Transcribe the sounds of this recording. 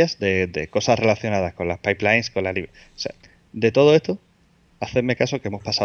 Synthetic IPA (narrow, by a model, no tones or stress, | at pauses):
azd̪e̞d̪eko̞sazre̞laθjo̞nað̞asko̞nlahpajplajnsko̞nlaliβ | o̥sea | d̪e̞t̪o̞ð̞o̞e̞st̪o | aθeme̞kaso̞ke̞emo̞spasa